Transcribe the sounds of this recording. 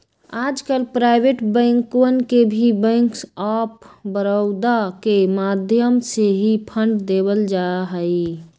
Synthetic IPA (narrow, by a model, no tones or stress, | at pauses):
ad͡ʒkəlpɾaɪbeʈbə̃ŋkənkebʱibɛ̃ŋksapbəɾəʊd̪akemad̪ʱjəmseɦipʰəɳɖd̪eβəld͡ʒaɦəi